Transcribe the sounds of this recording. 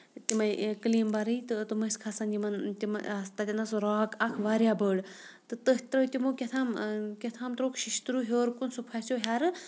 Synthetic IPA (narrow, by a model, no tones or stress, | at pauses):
t̪imɐjkɨliːmbaɾɨjt̪ɨt̪ɨmɐskʰasɐnjimɐnt̪ʲimɐ̰st̪at̪ʲinɐsɾɔːkɐkʰʋaːɾjabəːɽt̪ɨt̪əɦʲt̪ɾɐt̪imoːkʲet̪ʰaːmkʲet̪ʰaːmt̪ɾoːkʰʃiʃt̪ɾuːɦʲoːɾkunsupʰasʲoɦʲaɾɨ